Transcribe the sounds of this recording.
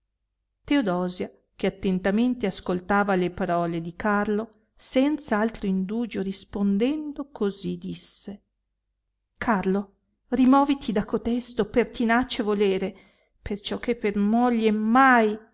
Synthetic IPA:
t̪eod̪ɔːzja | k̟eat̪ːent̪ament̪easkolt̪aːvalepaɾɔːled̪ikarlo | sɛnt̪saalt̪ɾoind̪uːd͡ʒoɾispond̪ɛnd̪okʰozid̪isːe | kʰarlo | rimɔːvit̪id̪akot̪ɛst̪opert̪inat͡ʃevoleːɾe | pert͡ʃɔkːepːermɔʎːemaj

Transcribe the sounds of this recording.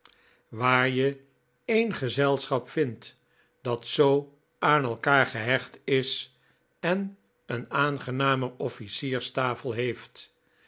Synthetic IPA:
ʋaːɹjə | ejnχəzɛlˠsχɑpfɪnt | d̥ɑtsow | ʔaːnɛlˠkaːɹχəɦɛχtɪs | ɛn | ənaːnχənaːmərɔfisiːɹstaːfəlˠɦejft

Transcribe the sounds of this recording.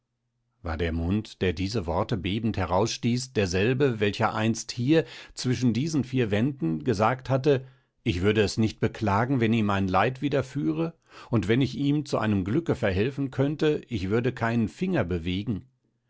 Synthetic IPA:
va̰ːɐdeːɐmʊntd̥eːɐdiːzəvɔɐtəbeːbn̩thɛʁaʊsʃtiːsd̥eːɐzɛlbəvɛlçɐʔa̰ɪnsthiːɐt͡sv̥ɪʃ̬n̩diːzn̩fiːɐvɛndn̩ɡəzaːkthatə | ʔɪçv̥ʏɐdəɛsnɪçt̚b̥əkʰl̥aːɡŋ̩vɛniːmaɪnlaɪtv̥iːdɐfyːʁə | ʊntv̥ɛnɪçiːmt͡suʔa̰ɪnəmɡlʏkəfɛɐɦɛlfn̩kʰœntəʔɪçv̥ʏɐdəkʰaɪnənfɪŋɐbəveːɡŋ̩

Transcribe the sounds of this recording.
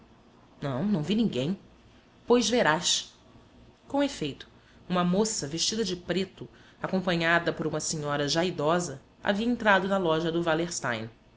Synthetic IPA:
nɐ̃w̃nɐ̃w̃vinĩŋɡẽj̃ | pojzveɾaʃ | kõw̃efejt̪ʊ̥ | ũmɐmosɐveʃt͡ʃid̪ɐd͡ʒɪpɾet̪ʊakõmpɐ̃ɲad̪ɐpoɾũmɐsiɲɔɾɐʒajid̪ɔzɐ | a̰viɐẽnt̪ɾad̪ʊnɐlɔʒɐd̪ʊvaleɾst̪ã̰jn

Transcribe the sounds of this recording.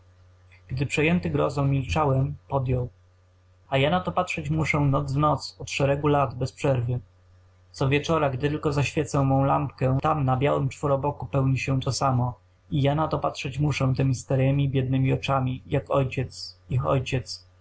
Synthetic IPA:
ɡ̥d̪ɘpʂɛjɛnt̪ɘɡɾɔ̰zɔ̃wmʲːilt͡ʂawɛmpɔd̪jɔw | ajanat̪ɔpatʂɛt͡ɕmuʂɛnɔd̪zvnɔt̪sɔt̪ʂɛɾɛɡulad̪bɛspʂɛɾvɘ | t̪sɔvʲjɛt͡ʂɔɾaɡd̪ɘt̪ɘlkɔzaɕfʲjɛt̪samɔ̃w̃lamp̚kɛt̪amnabʲjawɘmt͡ʂfɔɾɔbɔkupɛwɲiɕɛt̪ɔsamɔ | ijanat̪ɔpatʂɛt͡ɕmuʂɛt̪ɛmʲist̪aɾɛmʲibʲjɛd̪̚nɘmʲiɔt͡ʂamʲijakɔjt͡ɕɛt̪sixɔ̰jt͡ɕɛt̪s

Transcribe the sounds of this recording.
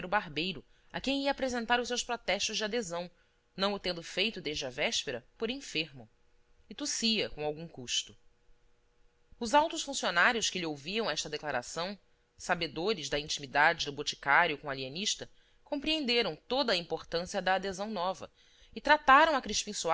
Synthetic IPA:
ɾʊbaɦbejɾʊ | ɐ̰kẽj̃iɐːpɾezẽnt̪aɾʊs̬ewspɾɔt̪ɛʃt̪ʊʒd͡ʒad̪ezɐ̃w̃ | nɐ̃w̃ʊt̪ẽnd̪ʊfejt̪ʊd̪eʒd͡ʒɪɐvɛʃpeɾɐpoɾĩfeɾmʊ | ɪt̪usiɐkõawɡũkuʃt̪ʊ | ʊzawt̪ʊʃfũsionaɾjʊskɪlɪowviɾɐ̃w̃ɛʃt̪ɐd̪eklaɾa̰sɐ̃w̃ | sabed̪oɾɪzd̪ɐĩt͡ʃimid̪ad͡ʒɪd̪ʊbot͡ʃi̥kaɾjʊkõalieniʃt̪ɐ | kõpɾiẽnd̪eɾɐ̃w̃t̪od̪ɐːĩmpoɾt̪ɐ̃siɐd̪ɐːd̪ezɐ̃w̃nɔvɐ̰ | ɪt̪ɾat̪aɾɐ̃w̃ɐkɾiʃpĩsu

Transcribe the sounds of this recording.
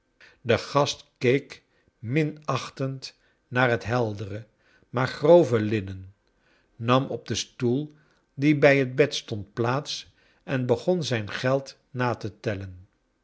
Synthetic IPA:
dəχɑstkejk | mɪnɑχtənt | naːɹɦətɦɛlˠdərə | maːɹχrowvəlɪnən | nɑmɔb̚dəstulˠ | dibɛjɦəd̚bɛtstɔntplaːts | ʔɛnbəχɔnzɛjnχɛlˠt | naːtətɛlən

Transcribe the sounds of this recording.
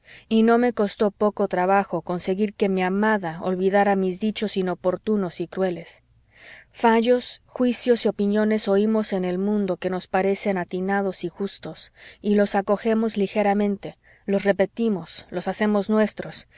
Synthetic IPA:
ino̞me̞ko̞st̪o̞po̞ko̞t̪ɾaβaxo̞ko̞nse̞ɣiɾke̞miamaðaolβiðaɾamizðit͡ʃo̞sino̞po̞ɾt̪uno̞sikɾwe̞le̞s | faʝo̞sxwisjo̞sio̞pinjo̞ne̞so̞imo̞se̞ne̞lmũnd̪o̞ke̞no̞spaɾe̞se̞nat̪inað̞o̞sixust̪o̞silo̞sako̞xe̞mo̞zlixe̞ɾamẽ̞nt̪e̞ | lo̞sre̞pe̞t̪imo̞slo̞sase̞mo̞znwe̞st̪ɾo̞s

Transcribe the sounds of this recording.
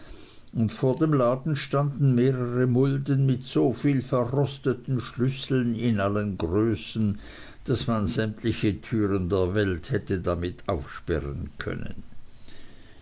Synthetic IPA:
ʊntfoːɐdemlaːdn̩ʃtandn̩meːʁəʁəmʊldənmɪtsoːfiːlfɛɐʁɔstətn̩ʃlʏsl̩nɪnʔalənɡʁøːsn̩ | d̥asmanzɛmtlɪçətʰyːʁəndeːɐvɛlthɛtədamɪtʰaʊfʃpɛ̰ʁə̰nkʰœ̰nə̰n

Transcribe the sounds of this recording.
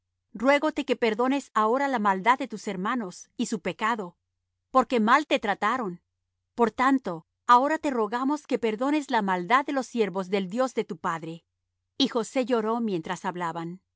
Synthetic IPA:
rwe̞ɣo̞t̪e̞ke̞pe̞ɾðo̞ne̞sao̞ɾalamald̪aðːe̞t̪use̞ɾmano̞sisupe̞kaðo̞ | po̞ɾke̞malt̪e̞t̪ɾat̪aɾo̞n | po̞ɾt̪ant̪o̞ | ao̞ɾat̪e̞ro̞ɣamo̞ske̞pe̞ɾðo̞ne̞zlamald̪aðːe̞lo̞sːje̞ɾβo̞zðe̞ld̪jo̞zðe̞t̪upaðɾe̞ | ixo̞se̞ʝo̞ɾo̞mje̞nt̪ɾasaβlaβan

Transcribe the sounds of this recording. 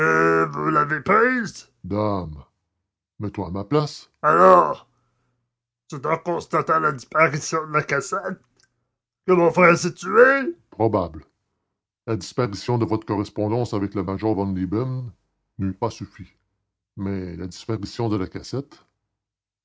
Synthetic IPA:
əvulavepʁiːz | d̪am | mɛt̪waːmaplas | alɔːʁ | set̪aʁkɔ̃st̪at̪ãlad̪ispaʁisjɔ̃d̪əlakasɛt̪̚ | kəmɔ̃fʁɛʁsit̪yepʁɔbabl | lad̪ispaʁisjɔ̃d̪əvɔt̪ʁəkɔʁɛspɔ̃d̪ɑ̃savɛkləmaʒɔʁvɑ̃nlibɛm | nypasyfi | mɛlad̪i̥spaʁisjɔ̃d̪əlakʲasɛt̪

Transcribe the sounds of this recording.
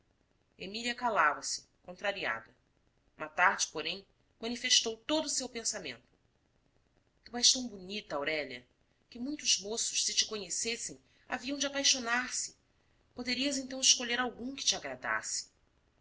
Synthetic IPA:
emiliɐkalavɐsɪ̥ | kõnt̪ɾaɾia̰d̪ɐ | ũmɐt̪aɾd͡ʒɪpoɾẽj̃ | mɐ̃nifeʃt̪owt̪od̪ʊːsewpẽnsamḛ̃nt̪ʊ̥ | t̪uɛʃt̪ɐ̃w̃bunit̪ɐawɾɛʎɐ̰ | kɪmũj̃t̪ʊzmosʊ̥ʃsɪt͡ʃɪ̥koɲesesẽj̃ | a̰viɐ̃d͡ʒɪapajʃonaɾsɪ̥ | pod̪eɾiɐzẽñt̪ɐ̃w̃ɪʃkoʎeɾawɡũkɪ̥t͡ʃaɡɾad̪a̰sɪ̥

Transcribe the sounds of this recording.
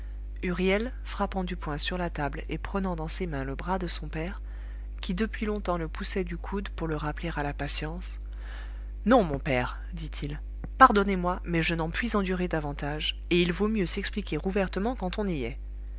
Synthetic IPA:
yʁjɛl | fχapɑ̃d̪ypwɛ̃syʁlat̪ablepχənɑ̃d̪ɑ̃semɛ̃ləbʁad̪əsɔ̃pɛʁ | kʲid̪əpɥilɔ̃t̪ɑ̃ləpusɛd̪ykʰud̪puʁləʁapleʁalapasjɑ̃s | nɔ̃mɔ̃pɛːʁ | d̪it̪ʰil | paʁd̪ɔnemwamɛʒənɑ̃pɥizɑ̃d̪yʁed̪avɑ̃t̪aʒ | eilvomjøsɛksplikʲeʁuvɛʁt̪əmɑ̃kɑ̃t̪ɔ̃niɛ

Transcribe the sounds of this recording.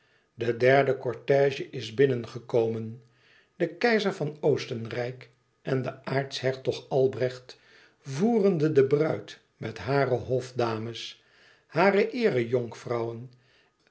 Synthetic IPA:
dədɛɹdəkɔɹtɛːʒəʔɪzbɪnənχəkowmən | dəkɛjzəɹvɑnowstənrɛjk | ʔɛndəʔaːɹtshɛɹtɔχɑlˠbrɛχt | vuːrəndədəbrœɥt | mɛtɦaːrəɦɔfdaːməs | haːrəʔɪːrəjʊŋkfrɑwən

